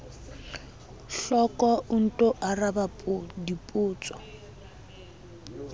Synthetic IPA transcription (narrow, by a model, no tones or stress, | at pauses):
ɬɔkɔʔun̩tʼɔʔarabapʼudipʼuːt͡sʼɔ̥